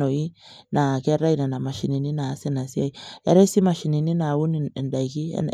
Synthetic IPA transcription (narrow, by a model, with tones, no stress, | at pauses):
o˨i˦na˨ke˦ɾa˦i˦na˨na˨ma˨ʃi˨ni˨ni˦naː˨˦se˦na˨si˦a˦˨i˨a̰˦ɾe˦si˦ma˨ʃi˨ni˨ni˦na˨wu˦n̰˨nda˨i˨ki˦ḛ˦n